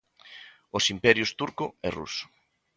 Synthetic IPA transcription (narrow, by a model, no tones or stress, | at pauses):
osimpɛɾjʊst̪uɾkʊɛrṵsʊ̥